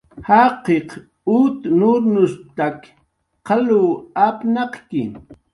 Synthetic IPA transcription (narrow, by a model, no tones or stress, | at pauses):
hɑqeq | ut̪nʊɾnʊst̪ak | qɑluːapnɑqkɪ̰